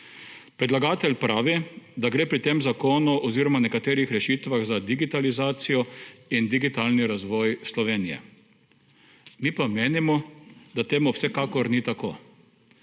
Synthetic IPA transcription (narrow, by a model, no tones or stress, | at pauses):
pɾɛd̪laɡaːt̪ɛlʲpɾaːʋid̪aɡɾeːpɾit̪eːmzakoːnuʔɔziːɾɔmanɛkat̪eːɾixɾɛʃiːt̪ʋaɣzad̪iɡit̪alizaːt̪sijɔind̪iɡit̪aːlniɾazʋɔːjslɔʋeːnijɛ̰ | mipameːnimɔd̪at̪eːmuwsɛkakɔɾnit̪akoː